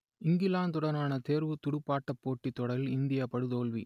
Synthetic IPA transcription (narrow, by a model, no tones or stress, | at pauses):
ɪŋɡɪlaːnt̪ʊɽɐnaːnɐt̪eːɾʋɯt̪ʊɽɯpːaːʈːɐpːoːʈːit̪ːɔɽɐlɪnd̪ɪjapɐɽɯt̪oːlʋḭ